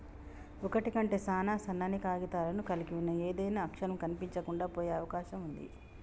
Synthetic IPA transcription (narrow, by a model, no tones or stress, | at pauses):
ɔkɐʈikɐɳʈe̞ːsaːnaːsɐnaːnikaːɡit̪aːlɐnukɐlikiunːɐeːd̪ɐjnaːɐkʂɐɾɐmkɐnipiɲt͡ʃɐkuɳɖaːpoːjeːɐʋɐkaːʃɐmund̪ḭ